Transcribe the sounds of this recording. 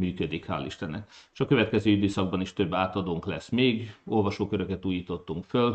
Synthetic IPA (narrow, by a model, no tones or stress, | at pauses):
myːkød̪ikha̰ːliʃt̪ɛnɛkːʃɒkø̞vɛt̪kɛzøːyd̪øːsɒɡ̚bɒniʃt̪ø̞bːaːt̪ɒd̪oːŋklɛsmeːɡo̞lvɒʃoːkøɾø̞kɛt̪uːjiːt̪o̞t̪ːuŋkføl